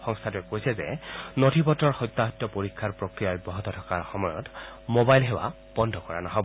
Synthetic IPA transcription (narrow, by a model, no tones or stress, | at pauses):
xɔŋst̪ʰatʊɛkojsɛzɛ̰notipɔtɔɹxɔjt̪ːaɦɔt̪ːɔpoɹikʰːaɹpɹokɹijabɔɦɔt̪ɔtʰɔkaɹxɔmɔjɔ̰tmobajlɦewa̰ | b̥ɔndʱɔkɔɹa̰nɔɦɔbɔ